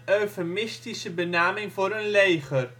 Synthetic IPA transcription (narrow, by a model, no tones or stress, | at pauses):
øɥfmɪstisəbənaːmɪŋvʊːɾənlejχər